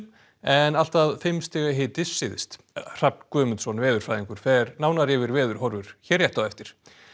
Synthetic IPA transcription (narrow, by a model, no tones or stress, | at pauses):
ɛnal̥t̪aðfɪmst̪ɪːɣaɦɪːt̪ɪsːɪːðɪ̰st̪ | r̥ap̚nkœːmʏnt̪sɔnvɛːðʏɾ̥fajðiŋkʏɾ̥θɛɾnaːwnaɾjɛvɪɾvɛːðʏɾ̥hɔɾvʏɾ̥çɛːrjɛht̪aðɛft̪ɪɾ̥